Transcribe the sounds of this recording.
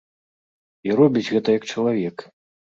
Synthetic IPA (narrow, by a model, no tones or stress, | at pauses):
iɾɔbʲit͡sʲɣɛt̪ɐjɐk̚t͡ʂɐlˠavʲɛk